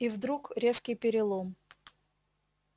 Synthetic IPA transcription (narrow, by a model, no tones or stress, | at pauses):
ivd̪ɾukɾʲeskʲɪjpʲɪɾʲɪlˠom